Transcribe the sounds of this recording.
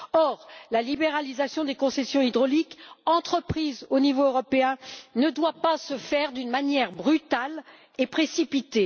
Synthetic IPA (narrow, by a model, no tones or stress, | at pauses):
ɔʁlalibeʁalizasjɔ̃d̪ekɔ̃sɛsjɔ̃id̪ʁɔlikɑ̃t̪χəpχizonivoøʁɔpeɛ̃nəd̪wapasəfɛʁd̪ynmanjɛʁbʁyt̪al | epχesipit̪e